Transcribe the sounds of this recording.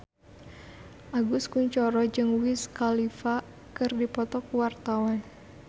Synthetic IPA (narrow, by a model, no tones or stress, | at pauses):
ʔaɡuskuɲt͡ʃɔɾɔd͡ʒɨŋwɪskalifa | kɨrdipɔt̪ɔkuwart̪awan